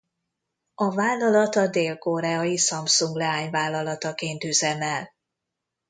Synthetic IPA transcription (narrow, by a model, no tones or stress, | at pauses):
ɒvaːlːɒlɒt̪ɒd̪eːlkoɾɛɒjisɒmsuŋɡlɛaːɲvaːlːɒlɒt̪ɒkeːnt̪yzɛmɛl